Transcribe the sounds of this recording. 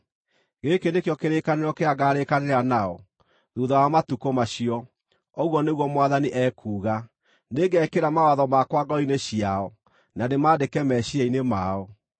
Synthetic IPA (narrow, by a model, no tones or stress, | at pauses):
ɣekenekjɔkeɾekaneɾɔkeaɡaɾekaneɾanaɔ | ðuːðawamatukɔmaɕiɔ | ɔɣwɔneɣwɔmwaðaniʔɛːkʰuːɣa | neɡɛkeɾamawaðɔmakwaɡɔineɕiaɔ | nanemaːdekɛmɛɕiainemaɔ